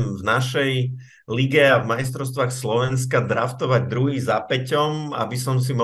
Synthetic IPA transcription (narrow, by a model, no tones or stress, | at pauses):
mvnaʃɛj | liɡɛavmajst̪ɾɔʊst̪ʋaːxslɔʋɛnskad̪ɾaft̪ɔʋaɟ̚d̪ɾuɦiːzapɛcɔma̰bisɔms̬imɔ